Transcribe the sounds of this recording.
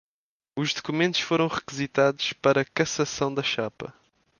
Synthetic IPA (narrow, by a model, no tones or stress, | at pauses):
uʒðukumẽnt̪u̥ʃfoɾɐ̃w̃ʁɨkɨzit̪aðuʃpɐɾɐkɐsɐsɐ̃w̃d̪ɐʃapɐ̰